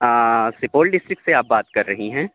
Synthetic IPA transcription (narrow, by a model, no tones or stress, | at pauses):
əːsɪpoːʈɖɪsʈɾɪkseaːp̚baːt̪kɐɾːɐɦiɦɛ̃ː